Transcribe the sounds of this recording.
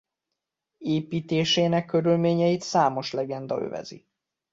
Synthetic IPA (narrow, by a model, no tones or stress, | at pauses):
eːpiːt̪eːʃeːnɛkːø̞ɾylmeːɲɛjit̪saːmo̞ʃlɛɡɛnd̪ɒ̰ø̰vɛ̰zḭ